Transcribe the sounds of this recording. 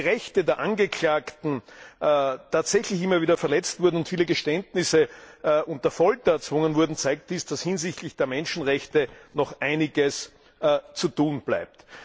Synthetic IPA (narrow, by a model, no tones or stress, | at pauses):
ʁɛçtədeːɐʔanɡəkʰlaːktn̩ | tʰaːtz̥ɛçlɪçɪmːɐviːdɐfɛɐlɛt͡stv̥ʊɐdn̩ʊntfiːləɡəʃtɛntnɪsəʔʊnt̚ːɐfɔltɐɛɐt͡sv̥ʊŋənvʊɐdn̩t͡saɪk̚t̚d̥iːsd̥ashɪnzɪçtlɪçd̥eːɐmɛnʃn̩ʁɛçtənɔχʔaɪnɪɡəs | t͡sutuːnb̥la̰ɪp̚t